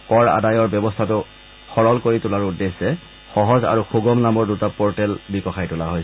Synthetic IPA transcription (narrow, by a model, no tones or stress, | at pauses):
kɔɹa̰dajɔɹbɔbɔstʰatʊ | xɔɹɔlkoɹitʊlaɹudesɛ | xɔɦɔza̰ɹuxuɡɔmnamɔɹdutapɔɹtɛlbikɔxajtʊlaɦojs